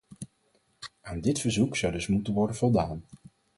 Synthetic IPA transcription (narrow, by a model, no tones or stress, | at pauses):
aːndɪtfəɹzuksʌwdɵsmutənʋɔɹdənvɔlˠdaːn